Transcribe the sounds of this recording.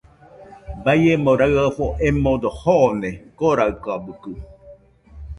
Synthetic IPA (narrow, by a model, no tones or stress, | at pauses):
bajemoɾaɰafoʔemod̪ohonekoɾaɯkabɯkɯ